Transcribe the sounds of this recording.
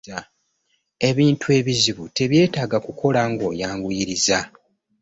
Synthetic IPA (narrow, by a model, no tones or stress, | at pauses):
e̞βiːntʰue̞βiziβute̞βje̞ːtaːɡakuko̞laŋɡo̞jaːŋɡujiɾiza